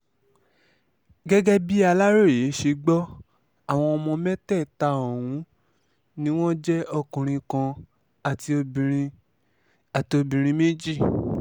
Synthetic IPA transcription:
ɡɛ˦ɡɛ˦bi˦a˧la˦ɾo˦˨je˨˦ʃe˧ɡ͡bɔ˦ | a˦˨w̃ɔ̃˧ɔ˧mɔ̃˧mɛ̃˦tɛ˦˨ta˧˦o˨wũ˨˦ | nĩ˦w̃ɔ̃˦d͡ʒɛ˦ɔ˧kũ˨ɾ̃ĩ˧kã˧ | a˨ti˧o˧˨i˧ | a˨ti˧o˧bĩ˨ɾ̃ĩ˧me˦d͡ʒi˦˨

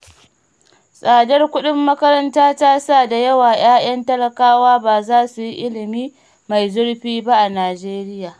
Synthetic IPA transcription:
sʼaː˨dɐ˦rkʷʊ˦ɗɪ˦mːɐ˦kɐ˦ɾɐ˦ntaː˦taː˦sa˦˨da˨jɐ˦waː˨j̰aː˦j̰ɐ˦ntɐ˦lɐ˨kaː˦waː˦baː˨zaː˦su˨ji˦ʔɪ˦lɪ˨miː˦ | ma˨jzʊ˦ɽɸiː˦ba˦ʔa˨naː˨d͡ʒeː˦ɾɪ˦jaː˨

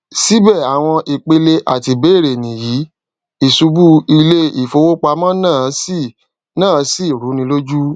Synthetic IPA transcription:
si˦bɛ˦˨a˨w̃ɔ̃˧ʔi˨k͡pe˧le˧ʔa˨ti˧be˨˦˨ɾe˨nĩ˨ji˨˦ | i˦˨su˧bu˦i˧le˦i˨fo˨˧wo˦k͡pa˧mã˦nãː˦˨˦si˦˨ | nãː˦˨˦si˦˨ɾu˨˦nĩ˧˦lo˦d͡ʒu˦

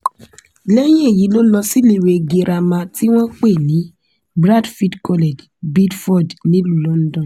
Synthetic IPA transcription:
lɛ˦j̃ɛ̃˦e˨ji˨˦lo˦lɔ˧si˦le˦˨ɾe˨˧ɡi˧ɾʔa˧mã˧ti˦w̃ɔ̃˦k͡pe˦˨nĩ˨˦ | bɾa˦˨dfi˦dkɔ˧le˨d͡ʒ | bi˦dfɔ˦˨dnĩ˨˦lu˦˨lɔ̃˦n̩˦dɔ̃˦˨˦

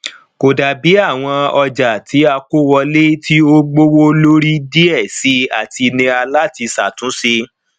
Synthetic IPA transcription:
ko˨da˨bi˨˦a˦˨w̃ɔ̃˧ɔ˧d͡ʒa˨tʰi˨˦a˧ko˦wɔ˧le˦tʰi˦o˦ɡ͡bo˦wo˦lo˦ɾi˦di˦ɛ˦˨si˨˦a˦˨ti˧nĩ˧a˧la˦ti˧sa˨tũ˨˦si˧

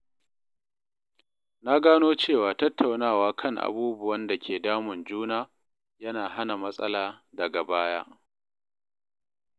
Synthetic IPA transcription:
na˦ɡaː˦noː˦t͡ʃeː˦˨waː˨tɐ˦tːa˨wnaː˦˨waː˦kʰɐ˦ŋʔa̰˨buː˦bʊ˨wɐ˦nda˨kʲeː˨daː˦mʊ˨nd͡ʒuː˦naː˦ | jɐ˦naː˨ɦa˦na˨mɐ˦sʼɐ̰˦laː˨dɐ˨ɡa˨baː˦ja̰˦ʔ

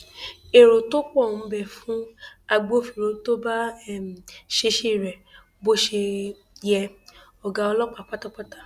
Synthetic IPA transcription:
e˨ɾo˨to˦k͡pɔ˦˨ũ˨˧bɛ˦˨fũ˦a˧ɡ͡bo˦˨fi˨ɾo˨˧˦to˦ba˦ɛ˦˨m̩˨ʃe˧ʃe˦˨ɾɛ˨ | bo˦ʃe˧ | jɛ˧ɔ˨ɡa˨˧ɔ˧lɔ˦k͡pa˨k͡pa˦ta˦˨k͡pa˦ta˦

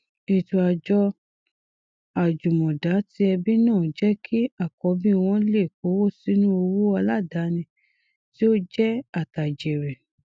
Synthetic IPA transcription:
i˨tu˧a˧d͡ʒɔ˧ | a˨d͡ʒu˨mɔ̃˨da˨˦ti˧˦ɛ˧bi˦nãː˦˨˦d͡ʒɛ˦kʰi˦a˦˨kɔ˨˧˦bĩ˦˧w̃ɔ̃˦le˦˨ko˨˦wo˦˨si˨˦nũ˦o˧wu˦a˧la˦˨da˨˦nĩ˧ | ti˦o˦d͡ʒɛ˦a˦˨ta˨d͡ʒe˨ɾɛ˨

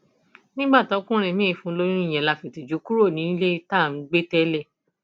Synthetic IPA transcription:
nĩ˦ɡ͡ba˦˨tɔ˨˦kũ˦ɾ̃ɛ̃˧˨mĩ˦˧˨fũ˧˦lo˦nũ˦i˦˨j̃ɛ̃˨la˧fe˨ti˨d͡ʒu˨˦ku˦ɾo˦˨nĩ˨˦le˦ta˦˨m̩˨˦ɡ͡be˦tɛ˦lɛ˦˨

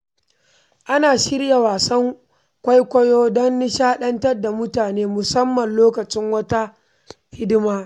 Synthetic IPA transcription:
ʔa˦naː˨ʃɪ˦rja˨waː˨sɐ˦ŋ | kʷɐ˦jkʷɐ˦joː˦dɔ˦nːɪ˦ʃaː˦ɗɐ˦ntɐ˦rda˨mʊ˦taː˨neː˦mʊ˨sɐ˦mːɐ˨nloː˦kɐ˨t͡ʃɪ˦ŋwɐ˦ta˦ | hɪ˦dɪ˦maː˦

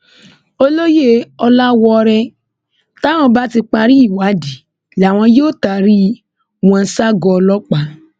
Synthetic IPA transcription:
o˧lo˦je˦ɔ˧la˦wɔ˧ɾɛ˧ | ta˦w̃ɔ̃˧˦ba˦ti˧k͡pa˧ɾi˦i˦˨wa˨˦di˨ | la˨w̃ɔ̃˧joː˦˨ta˨ɾi˦ | w̃ɔ̃˧˦sa˦ɡɔ˧ɔ˧lɔ˦k͡pa˨˦

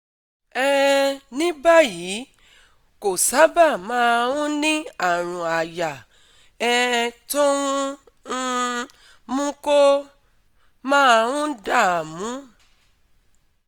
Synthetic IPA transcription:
ɛ˦˧nĩ˦ba˦˨ji˨˦ | ko˨sa˨˦ba˦˨mãː˨˦˧wũ˦nĩ˦a˦˨ɾ̃ũ˨a˨ja˨ | ɛ˦˧to˦wũ˦ | mũ˦ko˦ | mãː˦˧wũ˦da˦˨a˨mũ˨˦

